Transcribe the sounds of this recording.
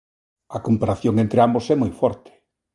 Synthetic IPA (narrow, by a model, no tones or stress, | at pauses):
ɐkompaɾaθjoŋẽnt̪ɾeambosɛmojfɔɾt̪ɪ̥